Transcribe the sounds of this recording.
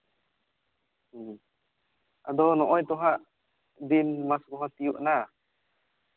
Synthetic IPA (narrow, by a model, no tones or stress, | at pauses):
ʔad̪ɔnɔʔɔjt̪ɔɦaʔ | d̪inmaskɔɦat̪ijuʔna